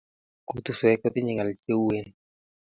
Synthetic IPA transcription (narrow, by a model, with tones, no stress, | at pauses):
ku˨t̪u˨swɛ˦kɔ˦t̪ɪ˦ɲɪ˨ŋa˨lt͡ʃe˦we˦n